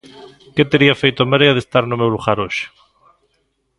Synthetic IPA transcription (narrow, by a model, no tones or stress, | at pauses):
ket̪eɾiafejt̪ʊamaɾeaðest̪aɾnʊmewluɣaɾoʃɪ̥